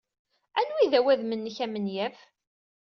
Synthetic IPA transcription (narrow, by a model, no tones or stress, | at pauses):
ænwiðæwæðmənːəçæmənjæf